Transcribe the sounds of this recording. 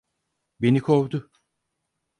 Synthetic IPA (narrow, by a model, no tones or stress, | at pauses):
benikʰoɾd̪ʊ